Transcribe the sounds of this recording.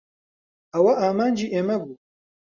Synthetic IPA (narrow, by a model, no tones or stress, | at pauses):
ɐwɐʔaːmaːnd͡ʒiʔemɐbu